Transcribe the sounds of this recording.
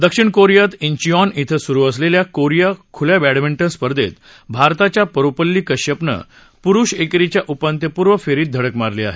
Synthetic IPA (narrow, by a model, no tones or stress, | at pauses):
d̪əkʂiɳkoɾijat̪iɲt͡ɕiɔnit̪ʰəsuɾuːəsleljakoɾijakʰuljabæɽmiɳʈənspəɾd̪et̪ | bʱaɾt̪at͡ɕjapəɾopəlːiːkəɕjəpnə̰ | puɾuɕekɾit͡ɕjaʔupant̪jəpuɾʋəfeɾiːt̪̚d̪ʱəɽəkmaɾlea̰ɦe